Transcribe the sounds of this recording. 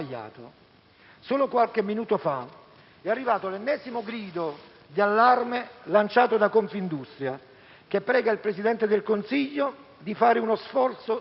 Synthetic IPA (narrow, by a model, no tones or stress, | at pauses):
ʎːa̰ːt̪o̰ | soːlokwalkɪmːinuːt̪ofa | ɛarːivaːt̪oalɛnːɛːzimoɡɾiːd̪o | d̪ialːarmelant͡ʃaːt̪od̪akoɱfind̪ust̪ɾja | k̟epːɾɛːɡailpɾesid̪ɛnt̪ed̪elkonsiʎːo | d̪ifaːɾɪunosfɔrt̪so